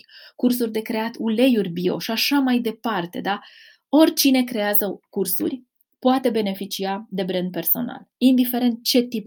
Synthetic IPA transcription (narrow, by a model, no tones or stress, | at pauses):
kurs̬urʲd̪e̞kɾe̞at̪ule̞jurʲbio̞̰ʃiaʃamajd̪e̞part̪e̞̰d̪a | o̞rʲt͡ʃine̞kɾe̞jazəkursṵrʲ | poat̪e̞be̞ne̞fit͡ʃiad̪e̞bɾend̪̚pe̞rso̞̰na̰lind̪ife̞ɾe̞nt̪̚t͡ʃe̞t̪ip